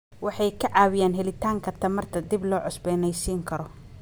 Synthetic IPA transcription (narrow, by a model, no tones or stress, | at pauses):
wɑħɑjkʰɐʕɑːwɪjaːnɦɛlɪt̪ʰaːŋkʰɐrt̪ʰɐmɐrt̪ʰɐd̪iblɔːʕʊsbɛːnɛjsiːŋkʰɐɾɔ